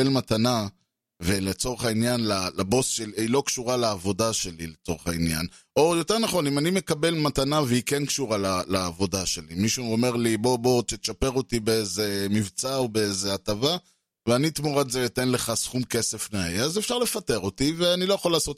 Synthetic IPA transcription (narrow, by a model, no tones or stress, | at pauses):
elmatana | velet͡so̞ʁeχainjanlalabo̞sʃeliilo̞kʃuʁaleːvo̞daʃe̞lilet͡so̞ʁeχainja̰n | o̞jo̞teʁnaχo̞nimanime̞kabe̞lmatanaveikenkʃuʁalalaːvo̞daʃe̞limiʃuome̞ʁlibo̞bo̞t͡ʃet̪ʃapeʁo̞tibeeze̞mivt͡saobeeze̞atava | veanit̪muʁatzetenle̞χasχumke̞se̞fnaeazefʃaʁle̞fate̞ʁo̞tive̞anilo̞jaχolaːso̞t̪